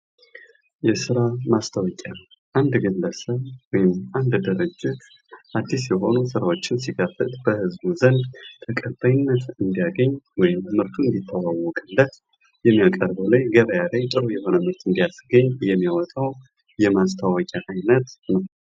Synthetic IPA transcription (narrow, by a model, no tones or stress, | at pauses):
jɛsɨɾamast̪ʰawɔkʼa | ʔand̪ɡəlːəsəβwɔjɪmʔand̪d̪ɨɾɨd͡ʒːɪt̪ | ʔad̪ːisjɛɦo̞nusɨɾawo̞t͡ʃːɪnsiɡafɨ̰t̪ʼbəhɨzbuzənd̪t̪ʰəkʼəbajɪnːət̪ɨnd̪ijaɡəɲːwɔjɪmːɨɾt̪ʰuɨnd̪it̪ʰːəwawɔkʼɨlːət̪ | jɛmːijakʼəɾbəwlajɡəβəjalajt̪ʼɨɾojɛho̞nəmɨɾt̪ʰɨnd̪ijasɡəɲːjɛmːijawɔt̪ʼaw | jɛmast̪ʰawɔkʲʼaʔajnət̪nəw